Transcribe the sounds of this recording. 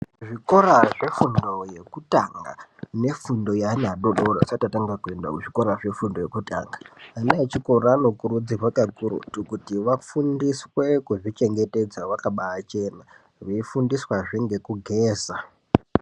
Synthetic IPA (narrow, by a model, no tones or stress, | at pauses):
ʐiko̞raʐe̞fundo̞je̞kutaŋɡa̰ne̞fundo̞janaɗoɗoɾosatataŋɡakue̞nda̰uʐiko̞ɾaʐe̞fundojekuta̰ːŋɡḁanaet͡ʃiko̞ɾaːno̞kuɾud͡ziɦwakakurṵtukutiʋafundiswe̞kuʐit͡ʃe̞ŋɡe̞te̞d͡zawakaɓaːt͡ʃe̞na | ʋeifundiswaʐiŋɡe̞kuɡʱeːza